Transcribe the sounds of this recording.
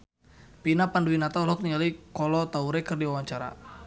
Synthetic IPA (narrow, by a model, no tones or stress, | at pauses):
pinapanduwinat̪alɔk̚niŋalikɔlɔt̪auɾɛkɨrdiwawaɲt͡ʃaɾa̰